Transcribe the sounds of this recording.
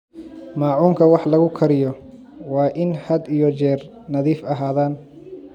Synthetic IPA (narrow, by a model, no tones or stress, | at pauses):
mɑːʕuːŋkʰɐwɑħlɐɣʊkʰɐɾɪjɔ | wɑːʔɪnhɐd̪ijɔt͡ʃɛːr | nɐðiːfɐɦaːðaːn